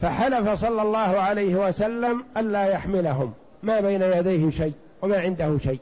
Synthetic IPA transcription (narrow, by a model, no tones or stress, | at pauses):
faħalafasˤɑlːɑlˤːɑːhʊʕalajhɪwasalːamʔanlaːjaħmɪlaɦʊmː | aːbajnajad̪ajhɪʃajʔ | wamaːʕɪnd̪ahʊʃajʔ